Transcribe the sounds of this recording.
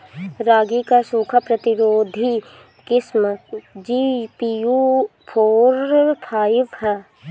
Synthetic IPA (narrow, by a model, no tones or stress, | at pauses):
ɾaːɡikasuːkʰapɾɐt̪ɪɾoːd̪ʱi | kɪsməd͡ʒiːpijupʰoːɾpʰaːjɪʋhɛː